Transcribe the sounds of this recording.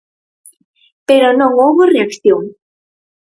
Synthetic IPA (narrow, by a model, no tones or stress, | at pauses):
peɾonõŋowβoreakθjoŋ